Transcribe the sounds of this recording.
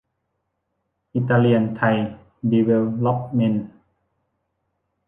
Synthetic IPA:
ʔi˧t̪a˧li˧ənt̪ʰa˧j | di˧we˧lɔ˦p̚me˧˥n

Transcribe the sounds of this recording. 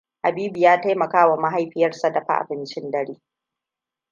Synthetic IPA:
ʔa˨biː˦bi˨jaː˦ta˦jmɐ˨kaː˦wa˨ma˦ɦa˦jɸɪ˦jɐ˦rsa˨dɐ˨ɸa̰˦ʔa̰˨bɪ˦nt͡ʃɪ˦ndɐ˦ɽeː˦

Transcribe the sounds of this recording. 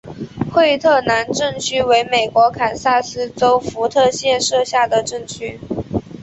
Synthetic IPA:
xwe˥˧ɪt̪ʰɤ˥˩na˧˥nʈ͡ʂɤ˥˩ŋt͡ɕʰy˥we˧˥ɪme˨˩ɪkwɔ˧˥kʰa˨˩nsa˥˩sɹ̩˥ʈ͡ʂo˥ʊfu˧˥t̪ʰɤ˥˧ɕjɛ˥˧nʂɤ˥˧ɕja˥˩d̪ə˩ʈ͡ʂɤ˥˩ŋt͡ɕʰy˥

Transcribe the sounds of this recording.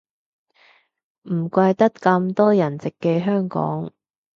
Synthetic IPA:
m̩˨˩kʷɐ˧jt̪ɐ˥t̚kɐ˧mt̪ɔː˥jɐ˨˩nt͡sɪ˨kːɛː˧ɦœː˥ŋkɔ̰ː˨˥ŋ

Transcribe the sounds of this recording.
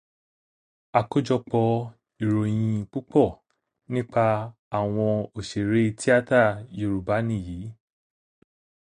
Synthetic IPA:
a˨ko˦d͡ʒɔ˧k͡pɔ˧ | i˨ɾo˨j̃ĩ˧k͡pu˦k͡pɔ˦˨ | nĩ˦k͡pa˧ | a˨w̃ɔ̃˧o˨ʃe˨ɾe˨˦˧ti˦a˦ta˦˨jo˧˨ɾu˨ba˨˦nĩ˦˨jiː˨˦

